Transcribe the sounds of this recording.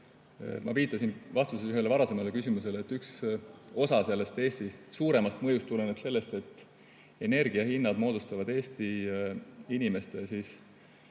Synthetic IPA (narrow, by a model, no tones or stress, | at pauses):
mɑ̰viːt̪ːˑɑsinvɑst̪useyɦe̞lːevɑɾɑse̞mɑlekysimuse̞leeːt̪ːykso̞sɑse̞lːe̞st̪e̞ːst̪isuːɾe̞mɑst̪mɤjust̪ːuleneb̥se̞lːe̞st̪e̞t̪ːˑ | e̞ne̞rɡ̥iɑhinːɑd̪̥mo̞ːd̪ust̪ɑvɑd̪e̞ːsʲt̪i | inʲime̞st̪esis